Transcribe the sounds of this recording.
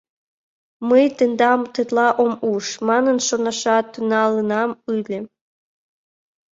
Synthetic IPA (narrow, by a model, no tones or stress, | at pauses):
məjt̪end̪ɑmt̪et̪lɑʔomuʃmɑnənʃonɑʃɑt̪ynɑlənɑmɯlʲĕ